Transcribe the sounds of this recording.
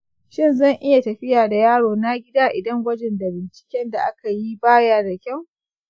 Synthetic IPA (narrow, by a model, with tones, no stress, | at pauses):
ʃɪ˦nzɐ˦˨ŋʔɪ˦ja˨tɐ˨ɸɪ˦jaː˨da˨jaː˦ɽoː˨na˦ɡʲɪ˦daː˦ʔɪ˨dɐ˦ŋwʷɐ˦d͡ʒɛ˨nda˨bɪ˨nt͡ʃɪ̥˨kʲɛ˦nda˨ʔa˦ka˨ji˦baː˦jaː˦da˨kʲɐ˦˨w